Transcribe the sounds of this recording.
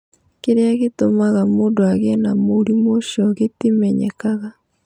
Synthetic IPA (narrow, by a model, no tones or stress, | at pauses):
keɾeaɣetomaɣamondoaɣenamoɾimoʃɔɣetimɛɲɛ̰kaɣa